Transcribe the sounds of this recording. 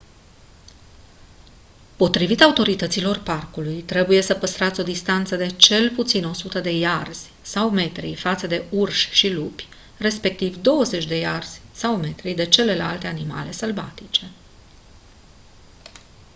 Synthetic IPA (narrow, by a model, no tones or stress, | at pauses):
po̞t̪ɾivit̪aut̪o̞ɾit̪ət̪silo̞rparkulujt̪ɾe̞buje̞səpəst̪ɾat̪sʲo̞d̪ist̪ant̪səd̪e̞t͡ʃe̞lput̪sino̞sut̪əd̪e̞jarz̥ʲ | sawme̞t̪ɾḭfat̪səd̪e̞urʃʃilupʲ | re̞spe̞k̚t̪ivd̪o̞wəze̞t͡ʃʲd̪e̞jarz̥ʲsawme̞t̪ɾid̪e̞t͡ʃe̞le̞la̰lt̪e̞anima̰le̞səlva̰t̪it͡ʃe̞